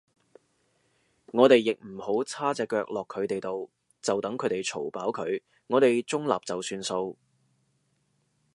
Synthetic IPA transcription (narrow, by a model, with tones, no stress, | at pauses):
ŋɔː˨˧t̪e˨jːɪ˨k̚m̩˨˩ho˨˥wt͡sʰaː˥t͡sɛː˧kːœː˧k̚lɔː˨kʰːɵ˨˧ɥt̪e˨jt̪o˨w | t͡sɐ˨wt̪ɐ˨˥ŋkʰɵ˨˧ɥt̪e˨˩jt͡sʰo˨˩wpaː˨˥wkʰɵ˨˧ɥ | ŋɔː˨˧t̪e˨jt͡sʊ˥ŋla̰ː˨p̚t͡sɐ˨wsyː˧nso˧w